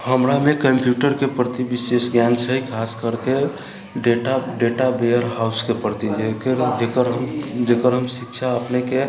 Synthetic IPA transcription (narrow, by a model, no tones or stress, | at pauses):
həmɾamekəmpjuʈəɾkepɾət̪ibisesɡjant͡ʃʰəkʰaskəɾke | ɖeʈaɖeʈabejəɾɦauskepɾət̪id͡ʒekeɾd͡ʒekəɾɦəmd͡ʒekəɾɦəmsikt͡ʃʰaəpneke